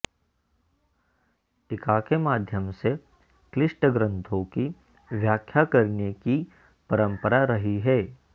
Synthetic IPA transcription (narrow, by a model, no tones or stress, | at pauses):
ʈɪkakemaːd̪ʱjəmse | klɪʃʈəɡɾə̃nt̪ʰõki | ʋjaːkʰjakɐɾneki | pɐɾə̃mpəɾaɾɐɦiɦɛː